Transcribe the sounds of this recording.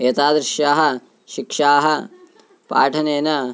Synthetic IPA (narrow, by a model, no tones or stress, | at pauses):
eːt̪aːd̪ɾɪʃjaːɦɐ̆ | ʃikʂaːɦɐ | pa̰ːʈʰɐneːnɐ